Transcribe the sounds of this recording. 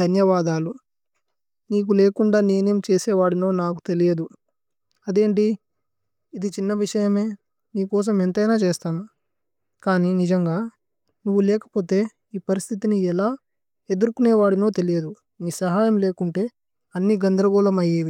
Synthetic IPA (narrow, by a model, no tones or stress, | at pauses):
d̪ʱɐnjɐʋaːd̪aːlu | niːk̬uleːkuɳɖaːneːneːmt͡ʃeːseːʋaːɽinoːnaːk̬u̥t̪e̞lijed̪u | ɐd̪e̞ːɳʈi | id̪it͡ʃinːɐʋiʂɐjɐme̞ː | niːkɔːs̬ɐment̪ɐjnaːt͡ʃeːst̪aːna | kaːninid͡ʒɐŋɡaː | nuʋːulɛːkɐ̥po̞ːt̪e̞ː | iːpɐɾist̪ʰit̪iniɛlaː | e̞d̪uɾukuneːʋaːɽino̞ːt̪e̞lijed̪u | niːsɐɦaːjɐmle̞ːkuɳʈe̞ː | ɐnːiɡɐnd̪ɾɐɡɔːlɐmɐjːeːʋi